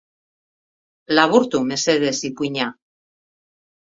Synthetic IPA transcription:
laβuɾt̪umeseðesipuiɲa

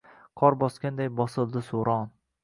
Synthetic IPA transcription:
qʰɒɾbɒskʲand̪ajbɒsɨlˠd̪ɪsoɾɒn

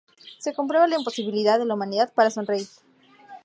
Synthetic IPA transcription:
se̞kompɾeβalaimpo̞siβ̞iliðaððe̞laumãniðaðpaɾaso̞nreis

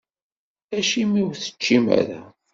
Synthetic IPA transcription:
æʃimiwθə̥t͡ʃːimæ̰ɾæ

